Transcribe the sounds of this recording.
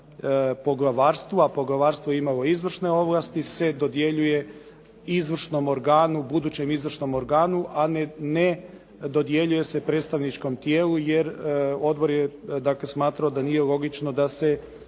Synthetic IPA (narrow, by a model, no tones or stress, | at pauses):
po̞ɡlˠaʋaːɾst̪ʋuapo̞ɡlaʋaːɾst̪ʋoimalo̞izʋr̩ʃne̞o̞ʋlˠast̪ise̞d̪o̞d̪je̞ʎuje̞ | izʋr̩ʃno̞mo̞ɾɡaːnubud̪uːt͡ɕe̞mizʋr̩ʃno̞mo̞ɾɡaːnuʔanne | d̪o̞d̪je̞ʎuje̞se̞pɾet̪st̪aʋnit͡ʃko̞mt̪jeːlujeɾo̞d̪bo̞ɾjed̪akle̞smaːt̪ɾaod̪aniːje̞lˠo̞ɡit͡ʃnod̪ase̞